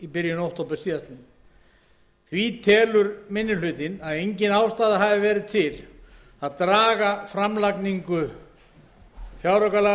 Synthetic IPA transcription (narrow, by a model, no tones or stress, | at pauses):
ipɪɾjʏnowht̪ʰowpɪɾ̥siːðast̪nɪ | θvit̪ʰɛːlʏɾmɪnːɪl̥ʏːt̪ɪnaðejɲcɪnawst̪aːðaɦaːvɪvɛːɾɪðt̪ʰɪl | aðt̪ɾaːɣafɾamlakniŋkʏ | fjawɾœkala